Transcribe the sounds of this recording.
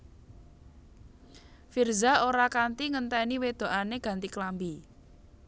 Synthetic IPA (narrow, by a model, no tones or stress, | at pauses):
firzaoɾakant̪iŋənt̪ɛniwed̪̥o̤ʔaneɡ̥ä̤nt̪iklambi